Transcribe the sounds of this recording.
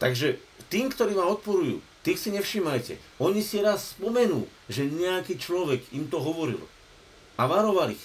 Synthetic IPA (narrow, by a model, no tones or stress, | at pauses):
t̪aɡʒɛ | t̪iːmkt̪ɔɾiːʋaːmɔt̪̚pɔɾujṵː | t̪iːxsiɲɛfʃiːmajcɛ̰ | ɔɲisiɾasspɔmɛnuː | ʒɛɲɛakiːt͡ʃlɔʋɛɡimt̪ɔɦɔʋɔɾḭl | aʋaɾɔʋalḭx